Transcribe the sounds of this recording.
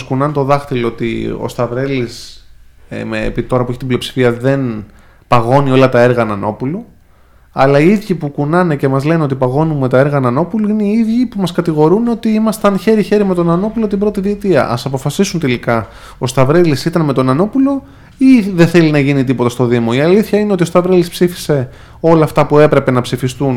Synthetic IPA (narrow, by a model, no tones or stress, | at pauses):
skunɐnt̪o̞ðɐxt̪iloot̪ḭo̰st̪ɐvɾe̞lis | mḛpiit̪o̞ɾɐpueçi̥t̪ibliopsi̥fiɐðe̞n | pɐɣo̞nio̞lɐt̪ɐe̞ɾɣɐnɐno̞pulu | ɐlɐiiðʝipukunɐne̞ce̞mɐzle̞neo̞t̪ipɐɣo̞nume̞t̪ɐe̞ɾɣɐnɐno̞puluine̞iiðʝipumɐskɐt̪iɣo̞ɾuno̞t̪iimɐst̪ɐnçe̞ɾiçe̞ɾime̞t̪o̞nɐno̞pulo̞t̪ibɾo̞t̪iðiːt̪iɐ̰ʔɐsɐpo̞fɐsisunt̪elikɐ | o̞st̪ɐvɾelisit̪ɐnme̞t̪o̞nɐno̞pulo̞ | iðeθe̞linɐʝinit̪ipot̪ɐst̪o̞ðimo̞iɐliθçɐine̞ot̪io̞st̪ɐvɾelispsifi̥se̞ | o̞lɐːft̪ɐpue̞pɾe̞pe̞nɐpsifist̪un